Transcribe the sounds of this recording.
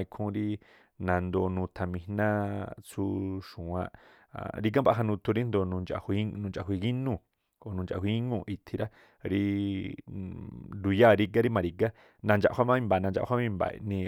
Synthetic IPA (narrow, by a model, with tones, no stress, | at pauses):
i˧kʰũ˧ɾi˦ | nã˨nd̪o˧˨nũ˧t̪ʰa˨mĩ˧nã˦t͡sʰu˦ʃũ˨ã̰˧ʔ | ɾi˦ɡ̬a˦mba˧˦ɦa˧nũ˧t̪ʰu˧ɾi˦nd̪o˧˨nũ˧nt͡ʃa̰˧˨hʷi˧˦nũ˧nt͡ʃa˧˨ɦʷi˧ɡi˦nũ˧˨ | o˨nũ˧˨t͡ʃa̰˨ɦʷi˧i˦ŋũ˧˨ʔi˧t̪ʰi˧ɾa˦ | ɾi˧ | ɾu˧ja˦˨ɾi˧ɡa˦ɾi˦mã˧ɾi˧ɡa˦ | nã˧nd͡ʒa̰˧˨˧wa˦mã˦mĩ˧mba˨nã˧nd͡ʒa̰˧˨hʷa˦mĩ˧mba̰˨˧nĩ˧